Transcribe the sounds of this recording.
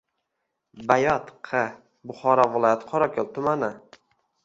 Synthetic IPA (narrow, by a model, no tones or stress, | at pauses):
bajɒt̪qʰɨ | bʊχɒɾɒvɪlˠɒjat̪qʰɒɾakʲʰolˠt̪ʰʊmanɪ